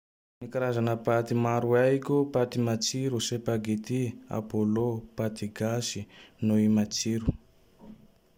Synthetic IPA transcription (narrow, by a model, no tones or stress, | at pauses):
nikaɾazanapat̪imaɾuaikopat̪imat͡ʃiɾusepaɡetia̰polopat̪iɡasinoimat͡ʃiɾu